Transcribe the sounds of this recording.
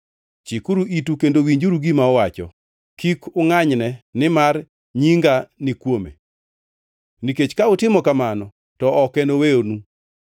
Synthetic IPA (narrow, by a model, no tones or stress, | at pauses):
t͡ʃikuɾuʔitukendowiɲd͡ʒuɾuɡimaɔwat͡ʃɔ̰ | kikʊŋaɲnɛnɪmar | ɲiŋɡanɪkwomḛ | niket͡ʃkaʊtɪmɔkamanɔ | tɔɔkɛnowejonu